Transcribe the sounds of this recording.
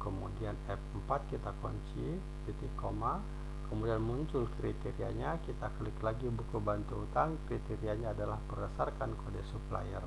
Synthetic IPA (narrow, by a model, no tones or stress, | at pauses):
kəmudianɛp̚əmpat̪̚kit̪akɔ̰ɲt͡ʃi | pit̪ikoma | kəmudianmuɲt͡ʃʊlkɾit̪ɛɾiaɲakit̪akliklaɡibukubant̪uut̪aŋkɾit̪ɛɾiaɲaːdalahpərdasarkankodɛsupla̰jər